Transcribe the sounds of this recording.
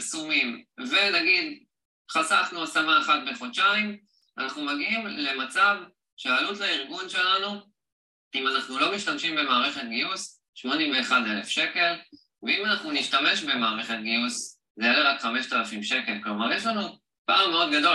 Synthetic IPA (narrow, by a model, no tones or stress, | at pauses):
sumimvenaɡid | χasaχnuasamaːχat̪̚beχo̞t͡ʃaim | anaχnumaɡiimle̞mat͡sav | ʃealutlaiʁɡunʃe̞lanu | imanaχnulo̞miʃtamʃimbe̞maːʁe̞χe̞t̪ɡijus | ʃmo̞nimveːχadelefʃe̞ke̞l | veimanaχnuniʃtame̞ʃbe̞maːʁe̞χet̪̚ɡius | zejeleʁakχameʃt̪alafimʃe̞ke̞lklo̞maʁjeʃlanu | paːmeo̞d̪ɡado̞